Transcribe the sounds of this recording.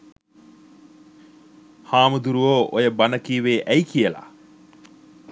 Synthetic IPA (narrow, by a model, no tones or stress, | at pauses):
haːmud̪uɾuoːʔojəbanəkiːʋeːʔæjkiəla̰